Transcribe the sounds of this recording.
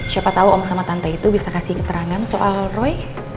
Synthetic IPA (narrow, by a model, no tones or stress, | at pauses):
ʃapat̪auʔɔmsamat̪ant̪ait̪ubisakasihkət̪əɾaŋansoʔalrɔj